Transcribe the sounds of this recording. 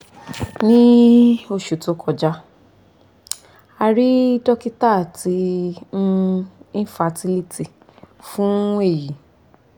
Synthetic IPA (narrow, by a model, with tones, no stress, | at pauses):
nĩ˦o˧ʃu˨to˨˧kʰɔ˧d͡ʒa˧˦ | a˧ɾi˦dɔ˦ki˦ta˦˨ti˨˧˦ | ĩ˦fa˧ti˦li˧ti˧˨ | fũ˦e˦˨ji˨